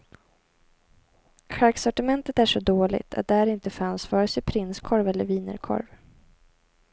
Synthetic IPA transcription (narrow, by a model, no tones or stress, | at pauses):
ɧaɾksɔʈɪmɛnt̪ət̪æʂɔd̪oːlɪ̰ɡt̪ʰa̰t̪̚d̪ɛhæɾɪnt̪əfansfœːɾəsɛpʰɾɪnskʰɔɾvɛlːəɾviːnə̰ɾkʰɔ̰ɾv